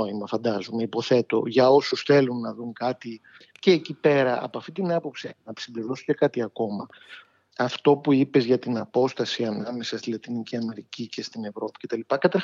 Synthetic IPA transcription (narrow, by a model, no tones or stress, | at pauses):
oimɐfɐnd̪ɐzumeipo̞θe̞t̪o̞̰ʝɐo̞susθe̞lunːɐðuŋkɐt̪i | ce̞ːcipe̞ɾɐɐ̰poɐft̪it̪inɐpo̞psinɐsimbliɾo̞suce̞kɐt̪iɐko̞mɐ | ɐft̪o̞puipe̞zʝɐt̪inɐpo̞st̪ɐsiɐnɐme̞sɐst̪ilɐt̪iniciɐme̞ɾicice̞st̪ine̞vɾo̞pi̥ce̞t̪ɐlipɐkɐt̪ɐ